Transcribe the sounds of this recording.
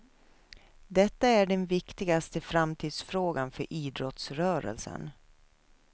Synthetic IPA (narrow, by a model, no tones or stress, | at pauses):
d̪ɛt̪ːaæɖɛnvɪkt̪ɪɡast̪əfɾamt̪ʰiːd̪sfɾoːɡanfœɾʔiːd̪ɾɔt̪sɾœːɾə̰lsə̰n